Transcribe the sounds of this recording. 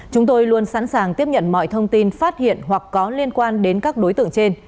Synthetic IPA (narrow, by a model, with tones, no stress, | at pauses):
t͡ɕʊ˨˦ŋ͡mt̪o˧jlu˧ənsa̰ː˧˥nsaː˨˩ŋt̪i˦˥əp̚ɲə̰˧˨nmɔ̰˧˨jt̪ʰə˧wŋ͡mt̪i˧nfaː˦˥t̚hḭ˧˨ənɦwa˨˩kːɔ˨˦li˧ənkwaː˧nɗe˨˦nkaː˦˥k̚ɗo˨˦jt̪ɨ̰˧˨əŋt͡ɕe˧n